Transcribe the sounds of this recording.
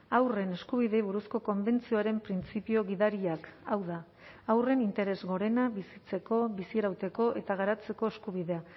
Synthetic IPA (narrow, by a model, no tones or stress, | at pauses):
awre̞ne̞skuβ̞iðe̞iβ̞uɾusko̞ko̞mbe̞nt͡sio̞aɾe̞mpɾint͡sipio̞ɣiðaɾiakawða | awre̞nint̪e̞ɾe̞zɣo̞ɾe̞naβisit͡se̞ko̞βisiɾawt̪e̞ko̞ʔe̞t̪aɣ̞aɾat͡se̞ko̞eskuβ̞iðe̞a